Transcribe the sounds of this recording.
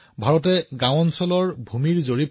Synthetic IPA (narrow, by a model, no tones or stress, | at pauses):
bʱaɹɔtɛɡãwɔnsɔlɔɹbʱumiɹzoɹip